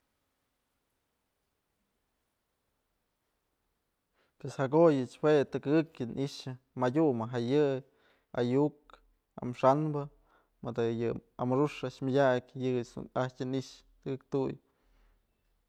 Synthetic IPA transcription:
peshakojɨt͡ʃwet̪ɨkɨɡɨkjɨnʔiʂɨ | madʲumɨɦajɨ | a̰juk̚ | a̰mʂanbɨ | mɨd̪ɨjɨamɨɾuʂaʔʃmʲadʲakʲjɨɨt͡ʃ̪ṵnaht͡ʃʲɨniʔʂ | t̪ɨɡɨk̚t̪uj

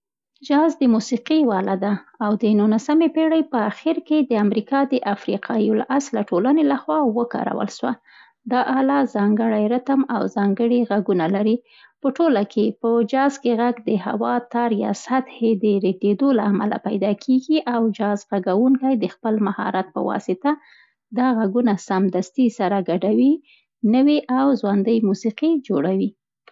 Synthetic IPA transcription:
d͡ʒɑzd̪əmusiqiwɑlad̪aawd̪ənunasamepeɽajpəaxiɾked̪əamɾikɑd̪əʔafɾiqʰɑjola̰ʔaslaʈolanelaxwɑwəkɑ̰ɾa̰wə̰lʃwa̰ | d̪ɑʔɑlɑzɑŋɡəɽajɾat̪amawzɑŋɡəɽiɣaɡunalaɾi | pəʈolakʰepəd͡ʒɑzkeɣaɡd̪əha̰wɑt̪ɑɾjɑ̰sat̪hed̪əɾeɡ̪ed̪olaːma̰la̰pajd̪ɑkʰeɡiʔawd͡ʒɑzɣaɡawuŋkajd̪əxpəlmahɑ̰ɾat̪̚pə̰wɑ̰sɪt̪a | d̪ɑɣaɡunasamd̪ast̪isaɾaɡaɖawi | nəwiʔawzwand̪əjmusiqid͡ʒoɽawi

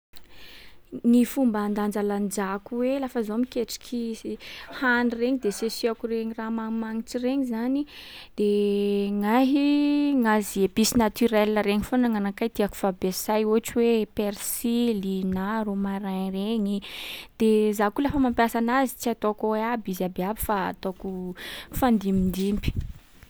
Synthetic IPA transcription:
nifumband̪and͡ʒaland͡ʒakuwelafəzomikeʈ͡ʂi̥kʲʰi | hanireɲid̪esesiakureɲiramamaŋiʈ͡ʂireɲizanid̪̥eŋaɦiŋaziebisinat̪yɾɛlːəɾeɲifonaŋanakajt̪iaku̥fabesajuaʈ͡ʂiwepeɾsilinaɾumaɾaɲreɲid̪̥ezakulafamampjasanazit͡siat̪okoabizabeabi̥fa̰t̪okufand̪imind̪imbi̥

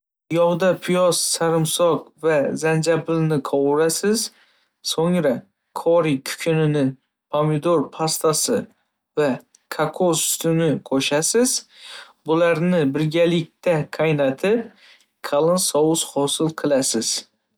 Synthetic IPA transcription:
jɒwd̪apʰʊjɒssaɾɪmsɒqvazand͡ʒabɪlnɪqʰɒwʊɾasɪz | soŋɾa | kʰɒɾikʲʰʊ̥kʲʰɪnɪnɪ | pʰamɪd̪oɾpʰast̪ʰasɪ | va | kʰakʰost̪ʰʊnɪqʰoʃasɪz̥ | bʊlaɾnɪbɪɾɡʲalɪk̚ʲt̪ʰaqʰajnat̪ʰɪp̚ | kʰalˠɨnsɒwʊshɒsɨlˠqʰɨlˠasɪz̥

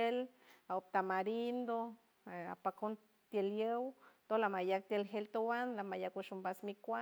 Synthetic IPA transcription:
elaop̚t̪amaɾind̪o | a̰pakon | t̪jeljəwt̪olamajak̚t̪jelɦelt̪owanlamajakwuʃumbasmikʷa

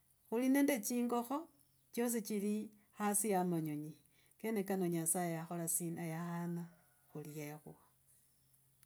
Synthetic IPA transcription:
xulinendet͡ʃiːŋɡo̞xo | t͡ʃos̬it͡ʃili | xasiamaɲoɲi | kenekanoɲasajejaxolasinajahana | xuljexw̰a

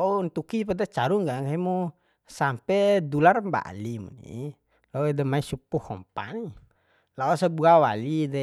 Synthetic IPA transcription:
launt̪ukipadat͡ʃaɾuŋɡaŋaimu | sampɛdularmba̰ʔlimṵnḭ | laudɛmaisupuhɔmpa̰ni | laɔsabuawalidɛ

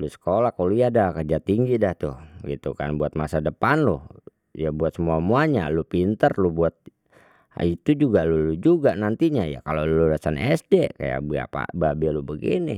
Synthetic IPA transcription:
lusə̥kolahkalujadakərd͡ʒat̪iŋɡidaht̪ʊhɡit̪ukanbuat̪̚masadəpanlʊh | jabuat̪̚səmuamuaɲa̰lupint̪ərlubuat̪̚ | it̪ud͡ʒuɡalulud͡ʒuɡanant̪iɲaja̰kaloludasanɛsdɛka̰ja̰kba̰pa̰babɛlubəɡḭni

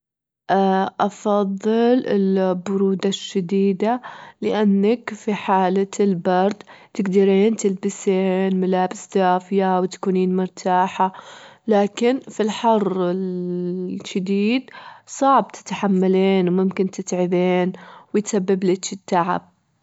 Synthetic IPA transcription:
ʔaʔɑfɑðˤːɨlɪ̰lbʊɾuːd̪aʃːad̪iːd̪alɪʔanːakfiħaːlaɪlbɑɾˤd̪t̪ɪɡd̪ɑɾiːnt̪ɪlbɪseːnmalaːbɪsd̪aːfɪjawɪt̪kuːniːnmʊɾt̪ʰaːħalaːkɪnfilħɑrˤːɪl | ʃad̪iːd̪sˤɑʕb̚t̪ʰɪ̥t̪ħamːaleːnwmʊmkɪnt̪ɪt̪ʕɪbeːnwɪjt̪sabːɪblɪt͡ʃɪt̪ːaʕa̰b̚

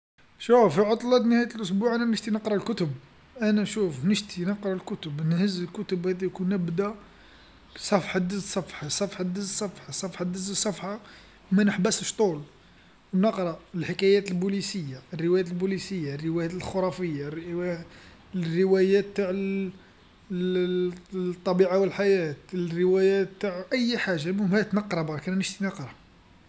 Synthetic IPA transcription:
ʃufiʕot̪ˤlɑt̪nəhæjət̪lʔʊsbuʕænænəʒt̪inəqɾˤɑlkʊt̪əb | ʔænæʃufnəʒt̪inəqɾˤɑlkʊt̪əbnhəzəlkʊt̪əbhæd̪æjkunəbd̪æ | sˤɑfħad̪əzsˤːɑfħɑsˤɑfħad̪əzsˤːɑfħɑsˤɑfħɑd̪əzəsˤːɑfħɑ | mænəħbæsəʃt̪ˤul | wnəqɾˤɑəlħəkæjæt̪lbulisəjːaərːəwæjæt̪lbulisəjːarːəwæjæt̪lxoɾˤɑfəjːarw | rːəwæjæt̪ːaʕ | t̪ˤːɑbiʕawəlħajæt̪rːəwæjæt̪ːaʕʔəjːħaʒamʊmhæt̪nɑqɾˤɑbɑɾˤkænænəʃt̪inɑqɾˤɑ

